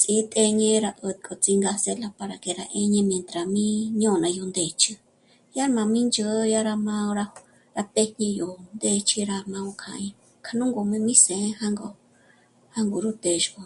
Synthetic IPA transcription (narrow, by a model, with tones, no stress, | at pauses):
t͡si˨˦t̪ʼe˧ɲẽ˦ɾa˧ʔə˧t̪̚kʰʼo˨t͡si˧ŋɡa˧se˧la˧pa˧ɾa˨ke˧ɾa˧ʔẽ˧ɲẽ˧mj̃ẽ˧nt̪ɾa˨mĩ˦ɲõ˦˨nã˨˧jo˧nd̪e˨t͡ʃɨ˧ | ja˦ɾmã˧mĩ˦nd͡ʒə˧˦˧ja˦ɾa˧mã˧o˧ɾa˧ | ɾa˧p̪e˧ɲẽ˧jo˨nd̪e˧t͡ʃi˧ɾa˧mã˧o˧kʰã̰˧ɲẽ˧ | kʰa˧nũ˦ŋɡo˧mẽ˧mĩ˦sẽ˨˦ha˦ŋɡo˧˨ | ha˦ŋɡo˨ɾu˦t̪e˧ʃko˧